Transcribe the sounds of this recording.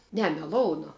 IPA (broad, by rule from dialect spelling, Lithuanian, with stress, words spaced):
ˈnʲɛ mʲɛˈlˠoːʊnʊ